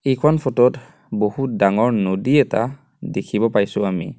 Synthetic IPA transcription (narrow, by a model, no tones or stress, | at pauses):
ejkʰɔnpʰɔtɔt | bohut̚daŋɔɹnodiɛta̰ | dekʰibɔpaɹisʊ̃amḭ